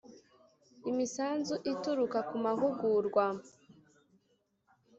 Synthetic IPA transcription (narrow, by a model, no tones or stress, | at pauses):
imisaːnzuʔituɾukakumaɦuɡuɾɡwa